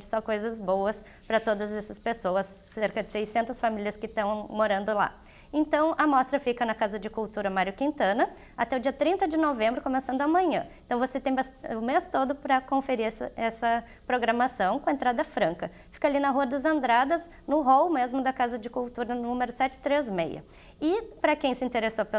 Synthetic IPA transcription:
d͡ʒɪ̥sɔkojzɐzbowɐs | pɾɐt̪od̪ɐzɛsɐspesoɐsːeɾkɐd͡ʒɪsejsẽnt̪ɐsfamilʲiɐskɪt̪ɐ̃w̃moɾɐ̃nd̪ʊla̰ | ẽnt̪ɐ̃w̃ʔɐmɔst̪ɾɐfikɐnɐkazɐd͡ʒɪkuwt̪uɾɐmaɾjʊkĩnt̪ɐ̃nɐ | at̪ɛʊd͡ʒiɐt̪ɾĩnt̪ɐd͡ʒɪnovẽmbɾʊkõmesɐ̃nd̪ʊɐmɐ̃ɲɐ̰̃ẽt̪ɐ̃w̃voset̪ẽj̃basʊmest̪od̪ʊpɾɐkõfeɾiɾsɐɛsɐ | pɾoɡɾɐmasɐ̃w̃kõẽnt̪ɾad̪ɐfɾɐ̃ŋkɐ | fi̥kalinɐɦuɐd̪ʊzẽnd̪ɾad̪ɐz | nʊɦowmezmʊd̪ɐkazɐd͡ʒɪkuwt̪uɾɐnʊnũmeɾʊsɛt͡ʃɪ̥t̪ɾezmḛjɐ̰ | ɪpɾɐkẽj̃sɪĩnt̪eɾesop

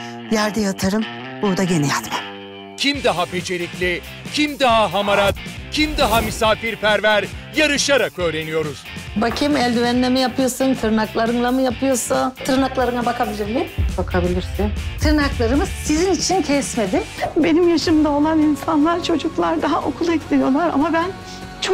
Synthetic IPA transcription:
jæɾd̪ɛjat̪ʰɯɾɯm | buɾd̪aɟe̞nɛjat̪mḁm | cʰimd̪aɦape̞t͡ʃʰe̞ɾiclʲi | cʰimd̪aɦaɦamaɾat̪cʰimd̪aɦamisaːfiɾpʰæɾvæɾjaɾɯʃaɾakø̞ːɾe̞nijo̞ɾuz̥bacʰimɛlʲd̪yvænlʲemijapʰɯjosɯnt̪ʰɯɾnaklˠaɾɯnlˠamɯjapʰɯjoɾsat̪ʰɯɾnaklˠaɾɯnˠabakʰabilʲiɾnebakʰabilʲiɾsint̪ʰɯɾnaklˠaɾɯmɯz̥sizinit͡ʃʰincʰɛsme̞d̪imbe̞nimjaʃɯmd̪ao̞lˠaninsanlˠaɾt͡ʃʰo̞d͡ʒuklˠaɾd̪aɦaʔo̞kʰulˠɛclʲenijo̞lˠaɾa̰mabæn | t͡ʃʰok

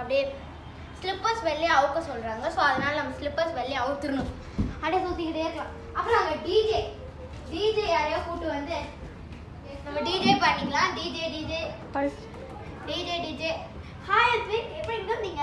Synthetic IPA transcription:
ɐpːɽi | slɪpːɐɾsʋɛɭːjɐʋɯkːɐsɔlɾaːŋɡɐsoːɐðɐnaːlɐnɐmːɐslɪpːɐɾsʋɛɭːɪjɐʋɯt̪ːɯɾɯnʊ̃ | ɐɽesoːsɪkːɾɐðeːɾkːã | ɐpːɾoːnɐŋɡɐɖiːd͡ʒeː | ɖiːd͡ʒeaːɾɐjõːkuːʈːɯʋɐnd̪ɯ | nɐmːɐɖiːd͡ʒeːpɐːnːɪŋɡɐlãːɖiːd͡ʒeːɖiːd͡ʒe | ɖiːd͡ʒeːɖiːd͡ʒe | haːjɐɾt̪ʋiɛpːɐɽiɾkːɐnd̪iːŋɡɐ

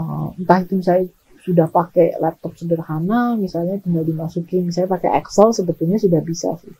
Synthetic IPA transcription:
ənt̪ahit̪umsaja | sudahpakɛlɛp̚t̪ɔp̚sədərhanamisalɲat̪iŋɡaldimasukɪnsajapakɛʔɛ̰ksəlsəbət̪uɲasudahbisa̰sɪ̰h

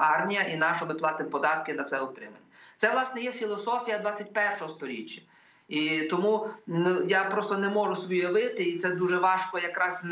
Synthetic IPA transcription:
ɑrmʲijɐʔinɑʃɔmɪplˠɑt̪ɪmpɔd̪ɑt̪̚kɪnɐt̪sɛɔt̪ɾɪ̰mɐ̰nʲːɛt̪sɛʋlˠɑsnɛjɛfʲilˠɔsɔfʲijɐd̪ʋɑt͡sʲːɐtʲpɛrʃɔɦɔst̪ɔɾʲḭt͡ʃʲːɐ̥ | it̪ɔmunjapɾɔst̪ɔnɛmɔʒʊsʋɔjɐʋɪt̪ɪit̪sɛd̪uʒɛʋɑʃkɔjɐkɾɑsn

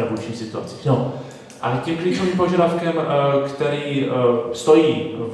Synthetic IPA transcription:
nabujʃɲʲiːsɪt̪ua̰t͡si̥no | ʔa̰cimkɾiːt͡ʃovimpo̞ʒadafkɛmkt̪ɛɾiːst̪o̞jiːv

